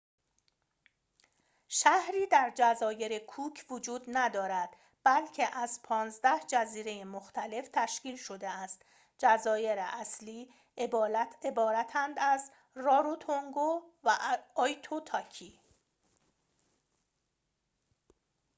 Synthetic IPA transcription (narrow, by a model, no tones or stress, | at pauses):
ʃæhɾiːd̪æɾd͡ʒæzɒːje̞ɾekʰuːcʰvod͡ʒuːd̪næd̪ɒːɾæd̪̥ | b̥ælcʰeʔæzpʰɒːnzd̪æhd͡ʒæziːɾe̞jemoxt̪ʰæle̞ft̪ʰæʃkiːlʃo̞d̪e̞æst̪ | d͡ʒæzɒːje̞ɾeʔæsliː | ebɒːɾæt̪ʰænd̪æz | rɒːɾot̪ʰoŋɡovæɒːjt̪ʰot̪ʰɒːcʰiː